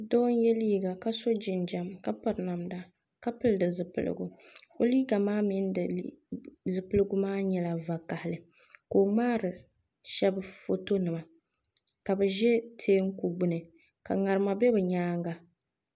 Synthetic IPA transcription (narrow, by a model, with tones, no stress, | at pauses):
dɔ˦n˦jɛ˦liː˦ɡa˨ka˦so˦d͡ʒɪ˨nd͡ʒa˨mka˦pa˨ɾna˨mda˨ | ka˦pɨ˦ldɨ˨zɨ˨pɨ̰˨lɨ̰˨ɡṵ˨ | o˦liː˦ɡa˨maː˦mi˦n˦dɨ˨ | zɨ˨pɨ˦lɨ˦ɡu˦maː˦ɲɛ˨la˨va˨ka˨hɪ˨lɨ˨ | koː˨ŋ͡maː˦ɾɨ˨ | ʃɛ˦bfo˦to˦nɨ˨ma˨ | ka˨bɨ˨ʒɛ˦tʰeː˦ŋ̩˦ku˨ɡ͡bʊ˦nɨ˨ | ka̰˨ŋa˨ɾɨ˨ma˨bɛ˦bɨ˨ɲaː˦ŋ˦ɡa˨